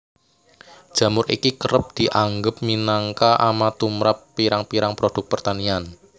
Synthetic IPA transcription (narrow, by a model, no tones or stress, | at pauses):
d̥ʒ̥ä̤mʊɾʔḭkikəɾəp̚d̪̥i̤ʔaŋɡəp̚minaŋkaʔamat̪umɾapːiɾaŋpiɾaŋpɾod̥ʊ̤k̚pərt̪anian